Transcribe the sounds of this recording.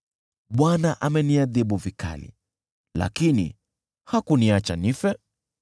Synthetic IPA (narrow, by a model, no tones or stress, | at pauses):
ɓwanaʔamɛniaðiɓuvika̰lḭ | la̰kinḭ | hakuniat͡ʃanifɛ